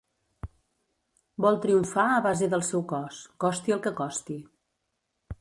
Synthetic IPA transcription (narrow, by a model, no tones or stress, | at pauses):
bɔlˠt̪ɾiuɱfaəβazəðəlˠsɛwkɔskɔst̪iəlˠkəkɔst̪i